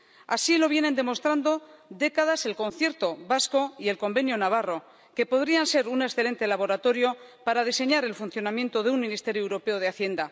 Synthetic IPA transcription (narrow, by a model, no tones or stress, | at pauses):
asilo̞β̞je̞ne̞nd̪e̞mo̞st̪ɾand̪o̞d̪e̞kaðase̞lko̞nθje̞ɾt̪o̞βasko̞ie̞lko̞mbe̞njonaβ̞aro̞ | ke̞po̞ðɾianse̞ɾunesθe̞le̞nt̪e̞laβo̞ɾat̪o̞ɾjo̞paɾað̞ise̞ɲaɾe̞lfun̟θjo̞namjẽ̞nt̪o̞ðeunmĩnist̪e̞ɾjoewɾo̞pe̞o̞ð̞eaθje̞nd̪a